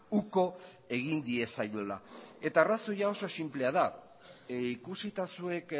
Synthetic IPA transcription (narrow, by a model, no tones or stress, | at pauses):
uko̞ | e̞ɣind̪ie̞sajola̰e̞t̪aːraso̞jao̞so̞simple̞að̞a | ikusit̪asue̞k